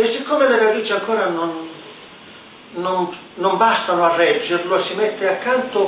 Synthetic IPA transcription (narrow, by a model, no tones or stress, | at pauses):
esikːoːmeleɾad̪iːt͡ʃiaŋkoːɾanon | on | nombast̪anoarːɛd͡ʒːerloesːimet̪ːeakːant̪o